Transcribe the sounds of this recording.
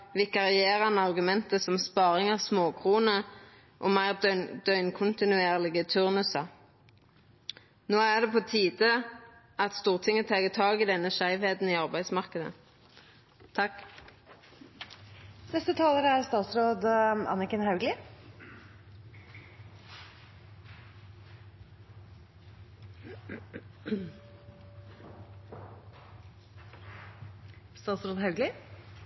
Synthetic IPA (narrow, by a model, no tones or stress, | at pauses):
ʋɪkɑʁɪeːʁɑnɑʁɡʉmɛnt̪əsɔmspɑːʁɪŋɑʋsmoːkʰʁuːnə | ʔoːmæɪʁd̪œʏnkʰʊnt̪ɪnʉeːʁlɪɡət̪ʰʉʁnʉsɑ | noːæʁd̪ɛpʰoːt̪ʰiːd̪ə | ɑt̪st̪uːʁt̪ʰɪŋːət̪ʰɑːɡət̪ʰɑːɡɪd̪ɛnːəʃæɪʋheːd̪n̩iːɑʁbæɪd̪smɑʁkəd̪ə̰ | t̪ʰɑk | nɛst̪ət̪ʰɑːləɾæɾst̪ɑːt̪sɾoːd̪ʔɑ̰nəkənhɑʉɡlɪ | st̪ɑːt̪sɾoːd̪ɦɑʉɡlɪ